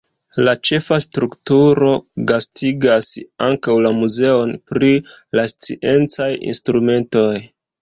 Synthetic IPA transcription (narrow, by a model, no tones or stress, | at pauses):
lat͡ʃe̞fastɾuktuɾo̞ɡastʰiɡasaŋkawlamuze̞o̞npɾi | last͡sḭʔe̞nt͡sajḭnstɾume̞nto̞j